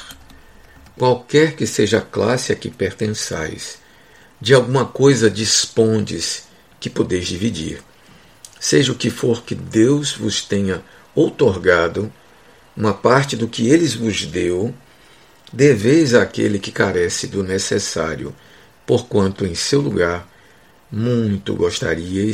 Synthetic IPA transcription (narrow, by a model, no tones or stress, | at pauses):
kwawkɛɾkɪseʒɐaklasɪɐkɪpeɾt̪ẽsa̰js | d͡ʒɪawɡũmɐkojzɐd͡ʒispõd͡ʒɪs | kɪpod̪ejzd͡ʒivid͡ʒḭɾ | seʒɐʊkɪfoɾkɪd̪ewzvʊst̪ẽɲɐ | owt̪oɾɡad̪ʊ | ũmɐpaɾt͡ʃɪd̪ʊkɪelɪzvʊzd̪ew | d̪evejzaːkḛlɪkɪkaɾɛsɪd̪ʊnesesaɾjʊ̰ | poɾkwɐ̃nt̪ʊẽj̃sewluɡaɾ | mũj̃j̃t̪ʊ̰ɡoʃt̪a̰ɾiɐj